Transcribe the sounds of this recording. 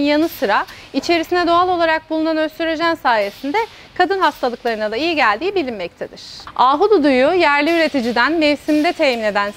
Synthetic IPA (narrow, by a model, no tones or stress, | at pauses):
njanɯsɯɾa | it͡ʃʰe̞ɾisinɛd̪o̞alˠo̞lˠaɾak̚bulˠunanø̞st̪yɾed͡ʒænsaːje̞sind̪ɛ | kʰad̪ɯnhast̪ʰalˠɯklˠaɾɯnad̪ˠaijiɟælʲd̪iːbilʲimmɛct̪ʰed̪iɾ̝̥aːɦud̪ud̪ujujæɾlʲiyɾe̞t̪ʰid͡ʒid̪ænmevsimd̪ɛt̪ʰemine̞d̪æn